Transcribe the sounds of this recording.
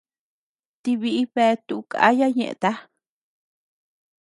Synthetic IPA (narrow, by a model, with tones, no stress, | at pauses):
t̪iβiʔi˦βe˧t̪uʔukʼa̰˦jaɲḛ̃˧ʔt̪a˦